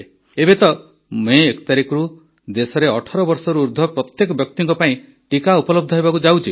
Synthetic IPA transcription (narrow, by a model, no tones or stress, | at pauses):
ebet̪ɔ | meːkɔ̥t̪aɾikɔɾu | d̪esɔɾeɔʈʰɔɾɔbɔɾsɔɾuːɾd̪ʱɔpɾɔt̪jekɔbjɔk̚t̪iŋkɔpaĩ | ʈikaupɔlɔb̚d̪ʱɔɦebakud͡ʒawt͡ʃʰi